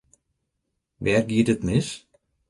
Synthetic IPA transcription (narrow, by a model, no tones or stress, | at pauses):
ʋɛːrɡiədətnɪs